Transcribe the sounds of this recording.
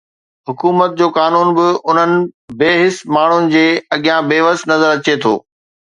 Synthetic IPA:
ɦʊkuːmət̪̚d͡ʑoːkaːnuːnbɪʊn̤ənɪ̆beːɦɪsmaːɳ̤ʊnɪ̆d͡ʑeːɐɠijãbeːʋəst̪nɐzəɾɐt͡ɕet̪ʰo̰ː

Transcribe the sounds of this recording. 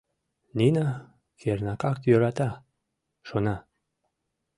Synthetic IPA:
nina | kernɑkɑkt̪jøɾɑt̪ɑ | ʃonɑ

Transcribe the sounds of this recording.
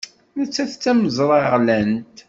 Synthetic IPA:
næt͡sːæθt͡sːæməzˤɾˤɑʁlænt̪

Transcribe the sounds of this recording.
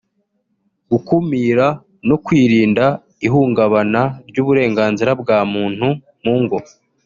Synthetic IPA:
ɡ̥ukumiːɾa | no̞kwiːɾiːnda | iɦuːŋɡaβanaɾɟuːβuɾe̞ːŋɡaːnziɾabɡaːmuːn̥hu | muŋɡo

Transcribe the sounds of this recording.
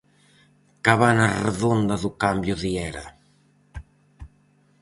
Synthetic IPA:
kaβanareðond̪aðukambjuðiɛɾɐ̰

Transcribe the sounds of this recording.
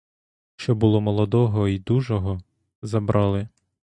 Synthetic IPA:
ʃt͡ʃɔbʊlˠɔmɔlˠɔd̪ɔɦɔid̪uʒɔɦɔ | zɐbɾʔɑlˠɪ

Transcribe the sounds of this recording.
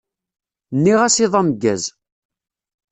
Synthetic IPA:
nːiʁæsiðˤɑməɡːæ̰z

